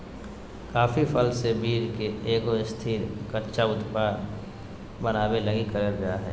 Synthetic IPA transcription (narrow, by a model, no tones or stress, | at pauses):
kaːfipʰəlsebiːɾkeeːkoɪst̪ʰiːɾkəɾt͡ʃaʊt̪paːɾ | bənaːbeləɡikəɾeɡɐjaɦɛ̰ː